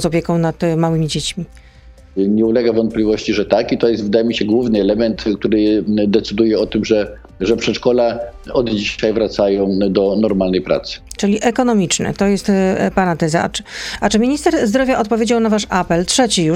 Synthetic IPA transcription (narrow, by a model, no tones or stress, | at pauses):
zɔpʲjekɔ̃w̃nat̪mawɘmʲid͡ʑet͡ɕmʲi | ɲɛulɛɡavɔnt̪plʲivɔɕt͡ɕiʐɛt̪akit̪ɔjɛsvɘd̪ajɛmʲiɕɛɡwuvnɘɛlɛmɛnt̪kt̪uɾɘd̪ɛt̪sɘd̪ujɛɔt̪ɘmʐɛ | ʐɛpʂɛtʂkɔla | ɔd̪d͡ʑiɕajvɾat̪sajɔ̃w̃d̪ɔnɔɾmalnɛjpɾa̰t̪sɘ̥t͡ʂɘlʲiʔɛkɔnɔmʲit͡ʂnɛ̰t̪ɔjɛst̪panat̪ɛza̰̥at͡ʂɘmʲiɲist̪ɛɾzd̪ɾɔvʲjaʔɔt̪pɔvʲjed͡ʑawnavaʂapɛltʂɛt͡ɕiju